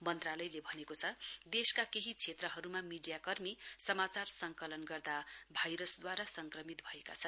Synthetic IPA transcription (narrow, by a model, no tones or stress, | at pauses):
mʌnt̪ralʌjlebʱʌnekot͡sʰʌd̪eskakeɦit͡sʰet̪rʌɦʌɾumamiɖijakʌrmisʌmat͡sarsʌŋkʌlʌnɡʌrd̪abʱajɾʌsd̪waɾasʌŋkrʌmit̪̚bʱʌeka̰t͡sʰʌn